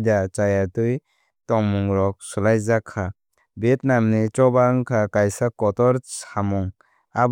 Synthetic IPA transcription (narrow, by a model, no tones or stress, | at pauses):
dat͡ʃajatuj | tɔŋmuŋɾɔk̚sulajzakʰːa | bet̚namnit͡ʃɔbaŋkʰakajsakɔtɔɾsamuŋ | ab